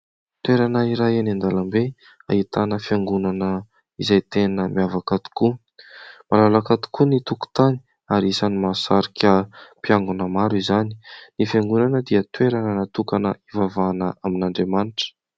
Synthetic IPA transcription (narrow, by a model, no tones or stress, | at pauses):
t̪weɾanaiɾajenand̪alambe | a̰it̪anəfjaŋɡunanə | izajt̪enəmiavakat̪u̥ku | malalakat̪u̥kunit̪uku̥t̪ani̥ | aɾiisanimasaɾikʰʲəpiaŋɡunəmaɾizani̥nifjaŋɡunanəd̪iət̪weɾanənat̪ukanə̰ivavanəaminaɳɖ͡ʐemaniʈ͡ʂə̥